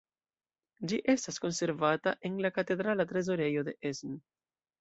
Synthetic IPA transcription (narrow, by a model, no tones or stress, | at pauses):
d͡ʒiʔe̞stasko̞nse̞ɾvataʔe̞nlakate̞d̪ɾalatɾe̞zo̞ɾe̞jo̞de̞ʔezn